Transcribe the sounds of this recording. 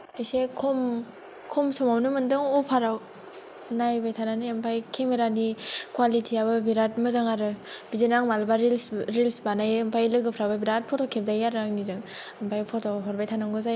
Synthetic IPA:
ajsekʰom | kʰɔmsɔmawnɯmɯndɯŋɔpʰaɾaw | najbajtʰananɯampʰajkʰemeɾanikwalitʰiabɯbiɾatmɯzaŋaɾɯbizinaŋmalbaɾilsɾilsbanajɯmpʰajlɯɡɯpʰɾababiɾat̚pʰɔtʰɔkʰep̚zajaɾɯaŋnizɯŋampʰajpʰɔtʰɔɦɔɾbajtʰanaŋɡɯzaj

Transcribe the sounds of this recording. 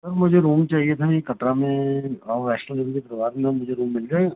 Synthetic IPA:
sɐɾmʊd͡ʒʱeɾuːmt͡ʃaːɦiet̪ʰaikɐʈɾamẽɔːɾɛːʃnəlebikepɾɐʋaːɾmẽmʊd͡ʒʱeɾuːmːɪlɡɐe

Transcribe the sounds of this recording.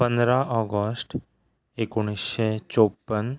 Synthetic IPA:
pə̃nd̪ɾaɔːɡəsʈ | ekʊɽ̃iʃɛt͡ʃoːpːən

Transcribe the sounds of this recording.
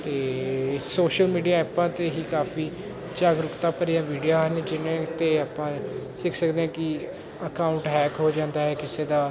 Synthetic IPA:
t̪eːsoːʃəlmiːɖijaːɛːpãːt̪eːɦiːkaːfʰiː | d͡ʒaːɡɾʊkt̪ãːpəɾijãːʋiːɖijaːɦənd͡ʒɪnẽt̪eːaːpãːsɪkʰsəkd̪eːɦãːkɪ | əkaːʊɳʈɦɛːkɦoːd͡ʒãːnd̪aːɦɛːkɪseːd̪aː

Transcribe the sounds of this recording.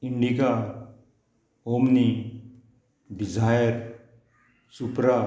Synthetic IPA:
iɳɖika | omni | bizʱajəɾ | supɾa

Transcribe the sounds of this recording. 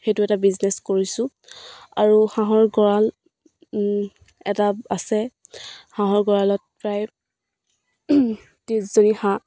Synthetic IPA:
xejtʊɛtabizneskoɹisʊ̃ | aɹuxãɦɔɹɡɔɹal | ɛtaasɛ | hãɦɔɹɡɔɹalɔt̚pɹaj | tiszonihã

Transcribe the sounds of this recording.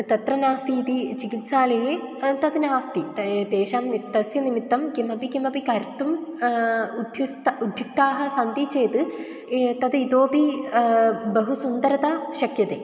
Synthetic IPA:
t̪ɐt̪rɐnaːst̪iːt̪it͡ɕikit̪saːlɐjet̪ɐd̪ɨnaːst̪id̪eːʂaːmt̪ɐsjɐnimit̪ːɐmkimɐpikimɐpikɐɾt̪um | ud̪ʱjust̪ud̪ʱjuk̚t̪aːɦɐsɐnd̪it͡ɕeːt̪ɨ | t̪ɐd̪it̪oːpi | bɐɦusund̪ɐɾɐt̪aɕɐkjɐt̪ḛ

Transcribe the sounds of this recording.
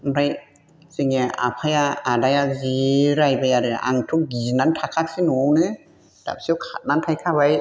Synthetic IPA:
ɾaj | siŋɛʔa̰pʰajaʔadajaziɾajbajaɾɯʔa̰ŋt̪ʰuk̚ɡinant̪ʰakʰak̚sinunɯ | d̪a̰p̚siwkʰat̪̚nant̪ʰajkʰaːwaj

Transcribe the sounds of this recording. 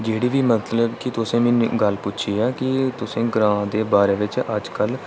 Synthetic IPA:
d͡ʒeːɽiːʋiːmət̪ləbkɪt̪ʊsẽːmɪ̃ːnɡəlpʊtːʃʰiːɛːkɪt̪ʊsẽːɡɾãːd̪eːbaːɾeːʋɪt͡ʃəd͡ʒkəl

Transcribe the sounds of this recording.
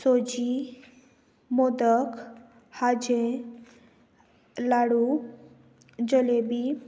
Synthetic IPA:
sod͡ʒi | mɔd̪ək | had͡ʒẽ | laɽu | d͡ʒɔlebi

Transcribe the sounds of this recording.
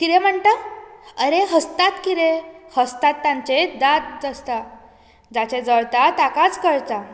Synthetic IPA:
kiɾem̤əɳʈ̪əəɾeɦəst̪at̪kiɾehəst̪at̪ːãɲt͡ɕed̪at̪̚d͡zəst̪a | d͡zat͡ɕed͡zəɭt̪at̪akat͡skəɭt͡sa

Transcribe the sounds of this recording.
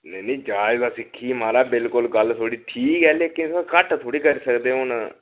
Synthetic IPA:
nɛːnĩːd͡ʒaːɪzaːsɪkʰːiːmaːɾaːbɪlkʊlɡəlt̪ʰoːɽiːʈʰiːkɦɛːleːkɪnsãkəʈʰt̪ʰoːɽiːkəɾiːsəkd̪eːʊnaː

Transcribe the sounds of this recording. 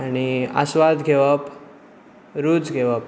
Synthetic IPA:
ania̰sʋad̪ɡʱeʋəp | ɾud͡zɡʱeʋəp

